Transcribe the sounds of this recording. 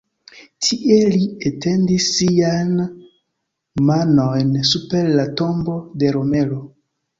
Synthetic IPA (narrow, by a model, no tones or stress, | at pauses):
tʰiʔelietendisːian | manojnsupeɾlato̞mbo̞de̞ɾome̞lo